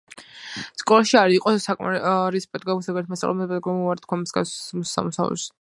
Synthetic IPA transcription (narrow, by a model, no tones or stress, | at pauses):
skʼɔlˠaʃiaɾiqʼɔsakʼma̰ɾispʼɛd̪ɡɔsaɡɛɾt̪ʰmasʼa̰lˠɛmɛd̪ɛpʼɛd̪ɡɔmuvaɾt̪̚ʰkʰwamisɡa̰smsa̰musa̰vlɛ̰s